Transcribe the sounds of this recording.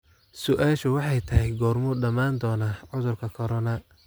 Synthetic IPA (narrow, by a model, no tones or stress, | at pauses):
sʊʔaːʃʊwɑħɑjt̪ʰɐɦɛjɡɔːrmʊɖɐmaːnd̪ɔːnɐʕʊðʊrkʰɐkʰɔɾɔnɐ